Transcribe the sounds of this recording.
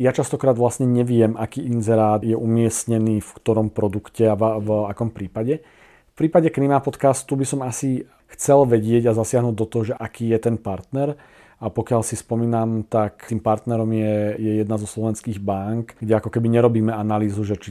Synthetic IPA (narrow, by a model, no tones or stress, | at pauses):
jat͡ʃast̪ɔkɾaːd̪ʋlasɲɛɲɛʋɪɛmʔakiːʔinzɛɾaːd̪jɛʔumɪɛsɲɛniːfkt̪ɔɾɔmpɾɔd̪ukcɛavvakɔmpɾiːpaɟɛ | fpɾiːpaɟɛknimapɔt̪kast̪ubisɔmasi | xt͡sɛlʋɛɟɪɛɟazasɪaɦnuːɟd̪ɔt̪ɔɦɔʒɛʔakiːjɛt̪ɛnpaɾt̪nɛɾ | apɔkɪalsispɔmiːnamt̪akt̪iːmpaɾt̪nɛɾɔmjɛjɛjɛd̪nazɔslɔʋɛnskiːɣbaŋkɡɟɛakɔkɛbiɲɛɾɔbiːmɛanaliːzuʒɛt͡ʃi